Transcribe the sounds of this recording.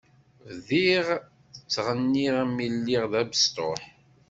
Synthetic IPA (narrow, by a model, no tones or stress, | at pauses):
vðiʁ | ət͡sːʁənːiʁmilːiʁðæbəst̪o̰ħ